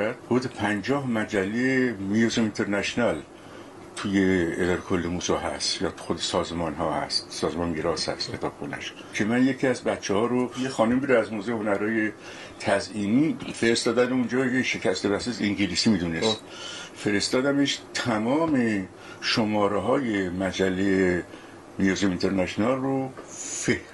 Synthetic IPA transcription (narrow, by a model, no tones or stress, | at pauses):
æd̪hod̪epʰænd͡ʒɒːhmæd͡ʒælːemijosomint̪ʰeɾnæʃnæl | t̪ʰuːjeːd̪ɒːɾekʰolːemuːsɒːɦæ̰st̪jɒːt̪xod̪esɒːzmɒːnɦɒ̰ːhæ̰st̪sɒːzmɒŋɡeɾɒːshæ̰st̪kʰe̞t̪ʰɒːb̥xonæ̰ʃ | cʰe̞mænjecʰiæzbæt̪t͡ʃʰːehɒːɾojexɒːnumbiɾeæzmoːzehonæɾɒːje̞ | t̪ʰæziːniːfeɾest̪ɒːd̪æneund͡ʒɒːjʰeʃe̞cʰæst̪ebæseseŋɟelisimiːd̪unes | fe̞ɾe̞st̪ɒːd̪æmeʃt̪ʰæmɒːme̞ | ʃomɒːɾeɦɒːjemæd͡ʒælːej | nijuzemint̪ʰeɾnæʃonɑlrofe